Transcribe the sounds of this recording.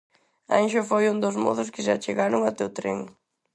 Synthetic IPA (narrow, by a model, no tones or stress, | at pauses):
anʃʊfojund̪ozmɔ̰ðʊskɪʃat͡ʃeɣaɾʊŋat̪ewt̪ɾḛŋ